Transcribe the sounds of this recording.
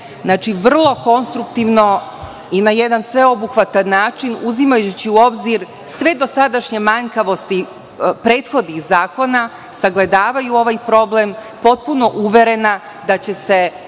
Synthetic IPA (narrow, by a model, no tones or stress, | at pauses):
znat͡ʃiʋr̩lˠo̞ko̞nst̪ɾukt̪iʋno̞ | inajed̪ansʋe̞o̞buxʋat̪anːaːt͡ʃinuzimajut͡ɕiuo̞bziɾ | sʋe̞d̪o̞sad̪aʃɲe̞maɲkaʋo̞st̪i | pɾe̞ːt̪xo̞d̪nixzaːko̞na | saɡle̞d̪aːʋajuo̞ʋajpɾo̞blem | po̞t̪̚puno̞ʔuʋe̞ɾe̞na | d̪at͡ɕe̞se̞